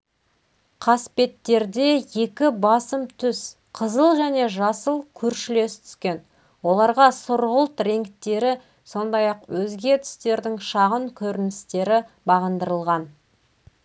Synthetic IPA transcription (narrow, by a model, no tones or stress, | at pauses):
qʰɑspe̞t̪ːe̞ɾd̪e̞je̞kʲɪbɑsəmt̪ʰʏs | qʰəzəlˠʒæne̞ʒɑsəlˠkʲʰɵɾʃɪle̞st̪ʰʏ̥skʲe̞n | wo̞lˠɑɾʁɑsʊɾʁəlˠt̪ɾe̞ŋkt̪ːe̞ɾɪ | so̞nd̪ɑjɑqwɵzɡʲe̞t̪ʰʏ̥st̪e̞ɾd̪ɪŋʃɑʁəŋkʲʰɵɾɪnɪst̪e̞ɾɪ | bɑʁənd̪əɾəlˠʁɑn